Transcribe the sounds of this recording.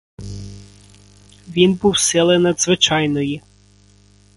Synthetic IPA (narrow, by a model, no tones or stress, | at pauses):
ʋʲinbuwsɪlˠenɐd̪zʋɪt͡ʃɑjnɔji